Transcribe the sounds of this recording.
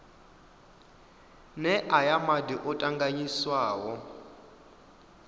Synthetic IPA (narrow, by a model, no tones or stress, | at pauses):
nɛʔajamadiʔɔtʼaŋɡaɲiswaːwɔ